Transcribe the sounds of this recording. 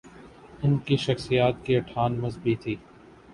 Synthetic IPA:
ʊnkiʃɐxsijaːt̪̚kiɐʈʰaːnmɐzbit̪ʰiː

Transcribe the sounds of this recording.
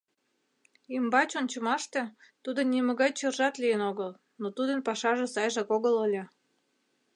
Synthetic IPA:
imbɑt͡ɕonʲt͡ɕə̆mɑʃt̪ĕt̪ud̪onʲːimə̆ɣɑjt͡ɕɤ̆rʒɑt̪lijənoɣəl | not̪ud̪ənpɑʃɑʒĕsɑjʒɑkoɣələlʲĕ

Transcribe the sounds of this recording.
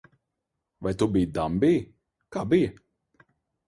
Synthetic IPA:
vajt̪ubijd̪ambij | kaːbijɐ

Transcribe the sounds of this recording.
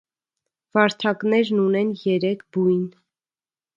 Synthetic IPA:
vɑɾt̪ʰɑknɛɾnunɛnjɛɾɛkʰbujn

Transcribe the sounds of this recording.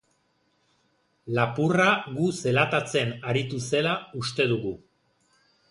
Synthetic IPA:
lapuraɣuse̞lat̪at͡se̞naɾit̪use̞laust̪e̞ðuɣu

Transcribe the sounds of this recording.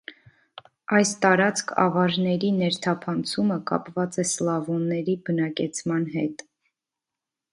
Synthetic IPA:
ɑjst̪ɑɾɑt͡skʰɑ̰vɑɾnɛɾinɛɾt̪ʰɑpʰɑnt͡sʰuməkɑ̰pvɑt͡sɛslɑvɔnːɛɾibənɑkɛt͡sʰmɑnɦɛt̪

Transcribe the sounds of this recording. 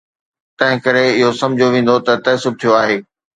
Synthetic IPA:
t̪ɐ̃ɦɪ̃kɐɾeɪɦosɐ̃md͡ʑʱoʋẽːn̆d̪ot̪ɐt̪ɐsʊb̚t̪ʰijoaːɦeː

